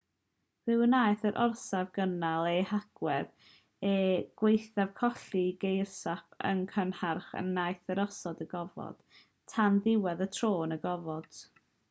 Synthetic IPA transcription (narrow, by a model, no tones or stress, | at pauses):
vɨwənaːjθəɾʔɔrsavɡ̥ənalˠehaɡ̥wɛð | ɛɡ̥wejθavkʰɔɬiɡejrsapʰə̰nkʰənharχə̰nːajθəɾɔsɔdəɡɔvɔ̰d̥ | tʰanðɪwɛðətʰroːnəɡɔvɔd̥